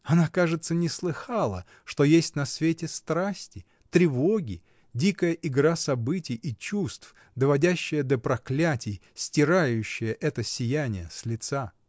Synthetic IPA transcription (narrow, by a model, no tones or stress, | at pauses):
ɐnakaʐɨt̪sənʲɪslˠɨxalˠə̰ | ʂt̪o̞jesʲtʲnɐsvʲetʲɪst̪ɾasʲtʲɪ | t̪ɾʲɪvo̞ɡʲɪ | dʲikəjəʔɪɡɾasɐbɨtʲɪjit͡ɕust̪f | d̪əvɐdʲæɕːɪjəd̪əpɾɐklʲætʲɪjsʲtʲɪɾajʉɕːɪjəʔɛt̪əsʲɪjænʲɪjəsʲlʲɪt̪sa